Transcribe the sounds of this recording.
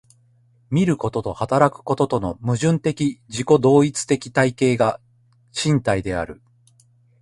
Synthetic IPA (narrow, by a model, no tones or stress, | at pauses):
mʲiɾɯ̟ko̞t̪o̞t̪o̞hat̪aɾakɯ̟̥ko̞t̪o̞t̪o̞no̞mɯ̟ʑɨ̃nt̪e̞kʲid͡ʑiko̞d̪o̞ːit͡sɨ̥t̪e̞kʲi̥t̪aike̞ːɡa | ɕĩnt̪aid̪e̞a̰ɾɯ̟̰